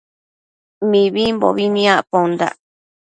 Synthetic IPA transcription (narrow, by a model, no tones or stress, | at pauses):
mĩβimbo̰βinĩãʔpond̪a̰